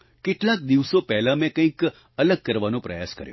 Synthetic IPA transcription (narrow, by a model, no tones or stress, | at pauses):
kɪʈlak̚d̪iʋsopɛɦlamẽkə̃ĩk | ələɡ̚kəɾʋanõpɾəja̰skə̰ɾjṵ̃